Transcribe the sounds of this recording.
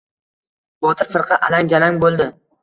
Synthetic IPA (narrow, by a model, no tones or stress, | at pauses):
bɒt̪ʰɪɾfɪɾqʰɑʔalaŋʲd͡ʒalaŋbolˠd̪ɪ